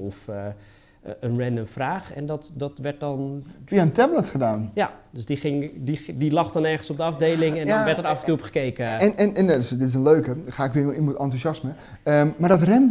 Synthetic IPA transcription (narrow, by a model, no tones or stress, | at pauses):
ɔfə | ənrɛndəmfraːχɛ̰ndɔtdɔtʋɛɹt̚dɔntʋiantɛblətχədaːnjadøsdiχɪŋdidilɑχdɔnɛɹχənsɔp̚dəɑfdejlɪŋɛnʋɛrtəɾɑfəntuɔpχə̥kejkəɛnɛnɛnjadsdɪtɪsənløːkəxaɪkʋɪːninmutɔntusɑsmə | əmardɔtrɛn